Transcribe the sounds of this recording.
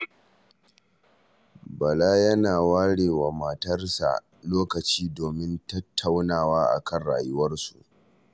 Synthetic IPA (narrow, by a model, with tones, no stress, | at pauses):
bɐ˨laː˦jɐ˦naː˨waː˦ɽeː˨wa˨mɐ˨tɐ˦rsa̰˨ʔ | loː˦kɐ˨t͡ʃiː˦doː˨mɪ˦ntɐ˦tʰːa˦wnaː˨waː˦ʔa̰˨kʰɐ˦˨nɽa̰ː˨jʊ˦wɐ˦rsṵ˨ʔ